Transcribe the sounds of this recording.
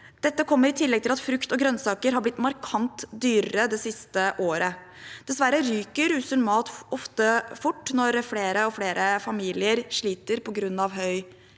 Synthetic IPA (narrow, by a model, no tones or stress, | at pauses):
d̪̥ɛt̪ːəkʰɔmːəɾɪt̪ʰɪlːɛɡ̚t̪ʰɪlɑt̪fɾʉkt̪ɔɡɾœnsɑːkəɾɦɑblɪt̪ːmɑɾkʰɑnt̪d̪yːɾɾəd̪ɛsɪst̪əʔoːɾə | d̪̥ɛsʋæɾəɾyːkəɾʉːsənmɑːt̪ɔft̪əfʊʈːnɔɾfleːɾəɔfleːɾʔəfɑmiːlɪəɾʂɭiːt̪əɾpʰɔɡɾʉnːɑʋɦœʏ